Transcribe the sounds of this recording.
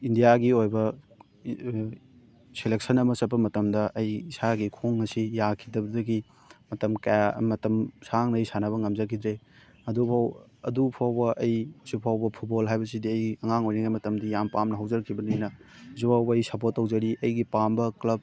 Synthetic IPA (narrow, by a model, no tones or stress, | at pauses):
indijaɡiojbɐ | selek̚sɐnɐmɐsɐpːɐmɐtɐmdɐʔɐjisaɡikʰoŋːɐsijakʰidɐbɐdɐɡi | mɐtɐmkajamɐtɐmsaŋnɐːjsanɐβɐŋɐmd͡ʒɐkʰidɾe | ɐdupʰawɐdupʰawbɐʔɐjsupʰawbɐpʰut̚bolɦajbɐsidiɐjɐŋaŋojniŋajmɐtɐmdijampamnɐɦɐwd͡ʒɐɾɐkʰːibɐninɐzubawbɐjsɐpotːɐwd͡ʒɐɾiʔɐjɡipambɐklɐb̚